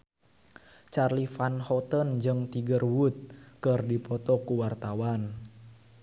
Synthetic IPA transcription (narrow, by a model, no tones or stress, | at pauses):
t͡ʃarlifanhɔt̪ənd͡ʒɨŋt̪iɡərwut̪̚kɨrdipɔt̪ɔkuwart̪awan